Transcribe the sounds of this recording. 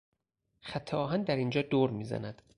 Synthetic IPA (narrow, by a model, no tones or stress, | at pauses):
xæt̪ʰːɛʔɒːɦænd̪æɾind͡ʒɒːd̪oːɾmiːzæ̰næd̪̥